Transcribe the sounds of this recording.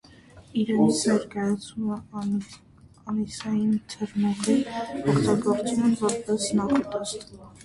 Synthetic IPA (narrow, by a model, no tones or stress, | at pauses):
iɾɛnit͡sʰnɛɾkɑjɑt͡sʰnumɛ | ɑnisɑjint̪ʰəɾmɔʁiɔkʰt̪ɑɡɔɾt͡sumɛnvɔɾpɛsnɑχɔt̪ɛst̪um